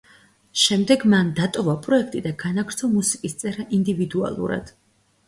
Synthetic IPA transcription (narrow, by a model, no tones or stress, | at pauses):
ʃɛmd̪ɛɡmand̪at̪ʼɔvapʼɾɔɛkʰt̪ʼid̪aɡanaɡɾt̪sʰɔmusikʼist̪sʼɛɾaʔind̪ivid̪ua̰lˠṵɾa̰d̪̥